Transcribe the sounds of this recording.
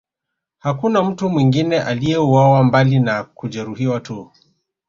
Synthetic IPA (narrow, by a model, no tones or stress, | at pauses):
hakunam̩tumwiŋɡinɛʔalijɛuwawambalinakuʄɛɾuhiwatu